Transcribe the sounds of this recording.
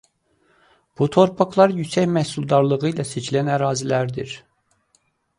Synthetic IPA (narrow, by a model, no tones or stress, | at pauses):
b̥ut̪ʰo̞ɾpʰɑklˠɑɾjysæçmæhsulˠd̪ɑɾlˠɯɣɯilæset͡ʃʰilænæɾɑːzilæɾd̪iɾ